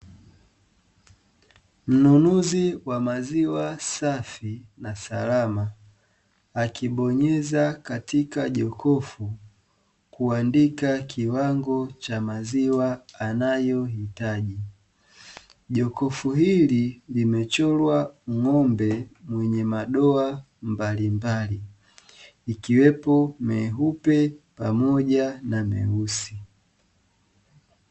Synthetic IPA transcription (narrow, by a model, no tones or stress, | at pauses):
m̩nunuziwamaziwasafinasalamaː | kiɓɔɲɛzakatikaʄɔkʰɔfu | kuandikakiwaŋɡɔt͡ʃamaziwaːnajɔhitaʄi | ʄɔkɔfuɦililimɛt͡ʃɔlwaŋɔmbɛmwɛɲɛmaɗɔa | mbalimbaliː | kiwɛpɔmɛɦupɛpamɔʄanamɛ̰usi